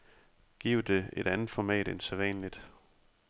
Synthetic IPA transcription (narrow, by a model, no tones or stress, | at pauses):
ɡ̥ḭːʊd̥e̝ed̥ænð̩ˠfɒmɛ̰ːd̥enseʋɛ̰ːnlid̥